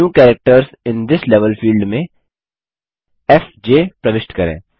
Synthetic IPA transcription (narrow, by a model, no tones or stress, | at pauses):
ũːkɛːɾək̚ʈəɾz | ɪ̃nd̪ɪslɛʋəlfiːlɖmẽ | ɛfd͡ʒeːpɾɐʋɪʃʈkɐɾḛ̃ː